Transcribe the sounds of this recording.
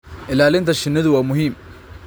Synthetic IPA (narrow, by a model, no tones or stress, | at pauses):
ʔɪlaːlɪnt̪ʰɐʃɪnːɪðʊwaːmʊɦiːm